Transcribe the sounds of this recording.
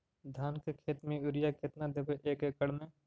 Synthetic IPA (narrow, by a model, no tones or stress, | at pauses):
d̪ʱaːnkekʰeːt̪mẽʊɾɪjakɪt̪nad̪ebeʔeːkeːkəɽmẽ